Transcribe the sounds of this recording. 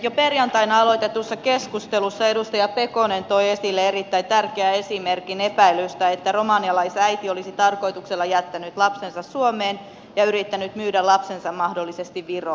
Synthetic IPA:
joperjɑnt̪ɑinɑɑlot̪et̪usːɑkeskust̪elusːɑedust̪ɑjɑpekonent̪oiesilːeerit̪ːæint̪ærkeæesimerkinepæilyst̪æet̪ːæromɑːniɑlɑisæit̪iolisit̪ɑrko̞it̪ukselːɑjæt̪ːænyt̪lɑpsensɑssuomeːn | jɑyrit̪ːænyt̪myːdælɑpsensɑmmɑhdolːisest̪iʋʋiro

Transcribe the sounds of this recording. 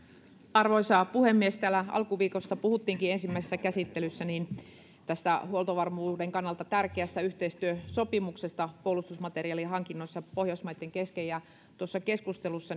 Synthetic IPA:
ɑrʋoisɑpuhemːiest̪æːlæɑ̰lkuʋiːkost̪ɑpuhut̪ːiːŋkiensimːæisesːækæsit̪ːelysːæniːn | t̪æst̪æhuolt̪oʋɑrmuːdeŋkɑnːɑlt̪ɑt̪ærkeæst̪æyht̪eist̪yøsopimuksest̪ɑpolust̪usmɑt̪eriɑliɦɑŋkinːoisːɑpohjosmɑjt̪ːeŋkeskejɑ | t̪uosːɑkeskust̪elusːɑ

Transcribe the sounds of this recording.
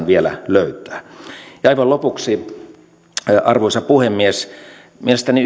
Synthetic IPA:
nʋielæ̰løyt̪ˑæ̥ːjɑɑiʋɑlopuksi | ɑrʋoˑisɑpuhemːies | mielest̪æni

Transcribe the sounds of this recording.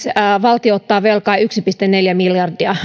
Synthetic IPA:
sʋɑlt̪ioot̪ːɑːʋelkɑiyksipist̪eneljæmiljɑrdiɑ

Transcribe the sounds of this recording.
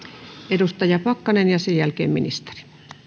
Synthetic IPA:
edust̪ɑjɑpɑkːɑnenjɑsejjælkḛːmmḭnist̪e̥ri̥

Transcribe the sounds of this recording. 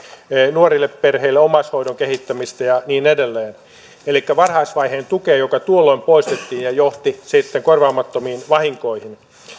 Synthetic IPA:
nuorilːepperheilːeomɑshoidoŋkehit̪ːæmist̪æjɑniːnedelːeːn | elikːæʋɑrhɑisʋɑiɦeːnt̪ukeːjokɑt̪uolːoimpoist̪et̪ːiːnjɑjoht̪isit̪ːeŋkorʋɑːmɑt̪ːomiːnʋɑhiŋkoihin

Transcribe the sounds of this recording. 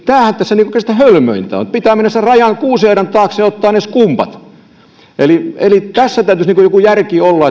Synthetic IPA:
t̪æːhænt̪æsːæniŋkokest̪æhølmø̰int̪æ̰o̰nt̪̚pit̪æːmenːæsserɑjɑnkuːsheiɾɑnt̪ɑːkseːot̪ːɑːneskumpɑ̰t̪ | ʔelielit̪æsːæt̪æyt̪ysniːŋkujokujærkiolːɑ

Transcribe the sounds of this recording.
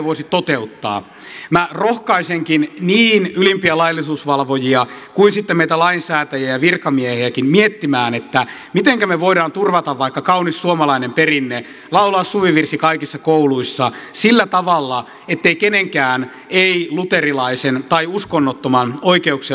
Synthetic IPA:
ʋoisit̪ot̪eut̪ːɑ̰ː | mærohkɑiseŋkinniːnylimpiælɑilːisuːsʋɑlʋojiɑkuinsit̪ːemmeit̪ælɑinsæːt̪æjæjæʋirkɑmieheækimmiet̪ːimæːnet̪ːæ | mit̪eŋkæmeʋoiɾɑːnt̪urʋɑt̪ɑʋʋɑikːɑkɑunisːuomɑlɑinemperinːe | lɑulɑːsːuʋiʋirsikɑikisːɑkouluisːɑsilːæt̪ɑʋɑlːɑ | et̪ːeikeneŋkæːn | eilut̪erilɑisent̪ɑiuskonːot̪ːomɑnoikeuksi

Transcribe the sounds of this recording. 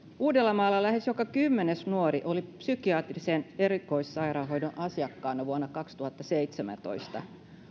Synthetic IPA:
uːdelːɑmɑːlːɑlæhesjokɑkymːenesnuoɾiʔo̞lipsykiɑːt̪riseneɾiko̞jssɑjɾɑːɦo̞jdonʔɑsiɑkːɑːnːɑʋuonːɑkɑkst̪uhɑt̪ːɑseit̪semæ̰nt̪o̞̰ist̪ɑ

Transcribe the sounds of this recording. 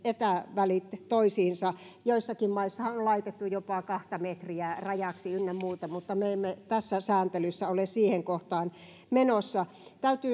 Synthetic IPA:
et̪æʋælit̪toisiːnsɑjoisːɑkimmɑisːɑhɑollɑit̪et̪ːujopɑkɑht̪ɑmet̪riærɑjɑksiynːemmuːt̪ɑmut̪ːɑmeemːet̪æsːæsæːnt̪elysːæolessiːheŋkoht̪ɑːn | menosːɑ | t̪æyt̪yː

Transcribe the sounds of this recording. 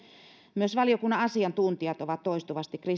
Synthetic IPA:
myøsʋɑlijokunːɑɑsiɑnt̪unt̪iɑt̪oʋɑt̪toist̪uʋɑst̪ikri

